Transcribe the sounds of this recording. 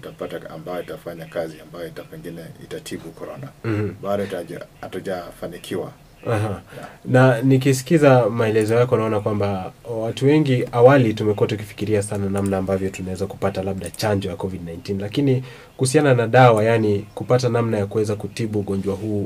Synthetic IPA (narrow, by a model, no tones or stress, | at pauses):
itapataa̰mbajɔitafaɲakaziambajɔitapɛŋɡinɛḭtatʰiɓukɔɾɔnam̩mm̩ɓaɗɔitaataʄafanikʰiwa̰ | aɦananik̬isi̥kizamaɛlɛzɔjakɔanaɔnakwambawatuwɛŋɡiʔawalitumɛkuwatuk̬ifi̥kiɾiasananamnaːmbavjɔtunawɛzaku̥patalaɓɗat͡ʃaɲd͡ʒɔjakɔvidnajntinlakini | kuhusiananaɗawajanikupatanamnajakuwɛzakutiɓuːɠɔɲd͡ʒwaɦuː